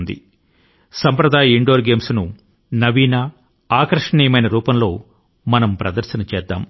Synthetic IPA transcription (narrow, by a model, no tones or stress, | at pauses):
nd̪ḭ | sɐmpɾɐd̪aːjɐiɳɖoːɾɡe̞ːmsnu | nɐʋiːna | aːkɾɐʂɐɳiːjɐmɐjnɐɾuːpɐmlo̞ː | mɐnɐmpɾɐd̪ɐɾʃɐnɐt͡ʃɛːd̪ːa̰ːm